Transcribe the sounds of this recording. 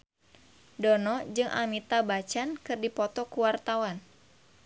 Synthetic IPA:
dɔnɔd͡ʒɨŋʔa̰mit̪abat͡ʃankɨrdipɔt̪ɔkuwart̪awan

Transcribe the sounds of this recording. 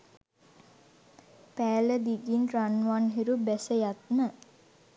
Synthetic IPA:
pæːləd̪iɡinranʋanɦiɾubæsəjat̪mə

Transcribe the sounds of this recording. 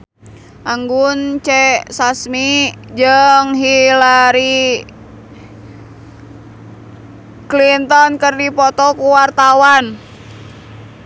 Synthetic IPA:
ʔaŋɡunt͡ʃɛsasmid͡ʒəŋɦilaɾi | klint̪ɔnkərdipɔt̪ɔkuwart̪awan

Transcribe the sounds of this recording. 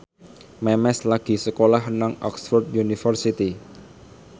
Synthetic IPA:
mɛmɛslaɡ̥i̤səkolahɦənaŋɔ̰ksfɔrt̪junifərsit̪i

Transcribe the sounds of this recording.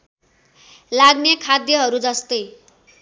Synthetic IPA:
laɡnekʰad̪jʌɦʌɾud͡zʌst̪ʌj

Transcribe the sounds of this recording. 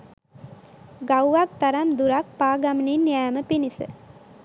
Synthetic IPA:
ɡawʋak̚t̪ɐɾɐmd̪uɾak̚paːɡɐmninjaːməpinisɨ̰

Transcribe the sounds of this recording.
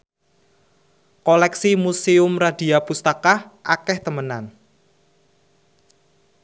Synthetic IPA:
kɔlɛksimuseʊmrad̥i̤apust̪akaʔakɛht̪əmənan

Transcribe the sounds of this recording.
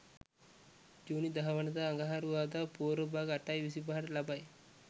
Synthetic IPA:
d͡ʒuːnid̪ɐɦɐʋɐnɐd̪aːŋɡaɦaɾuʋaːd̪apoːɾəbʱaɡɐʈajʋis̬ibaɦɐɾlɐbaj

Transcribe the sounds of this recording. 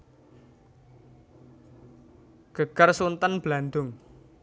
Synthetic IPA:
ɡ̥ə̤ɡ̥ərsunt̪ənb̥land̪ʊŋ

